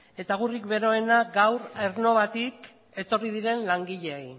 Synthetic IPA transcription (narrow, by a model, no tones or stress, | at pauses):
e̞t̪aɣurikbe̞ɾo̞e̞naɡawɾeɾno̞β̞at̪ik | e̞t̪o̞rið̞iɾe̞nlaŋɡiʎe̞ej